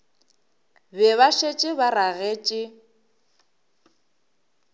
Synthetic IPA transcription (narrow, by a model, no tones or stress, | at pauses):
bɛβaʃet͡ʃʼɪbaraɣeːt͡ʃʼɪ